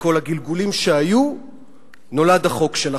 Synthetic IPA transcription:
kolaɡilɡulimʃeaju | no̞ladaχo̞kʃela

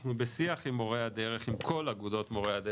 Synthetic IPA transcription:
nubesiaχimːo̞ʁehad̪eʁeχimkʰo̞laɡud̪o̞tmo̞ʁehade

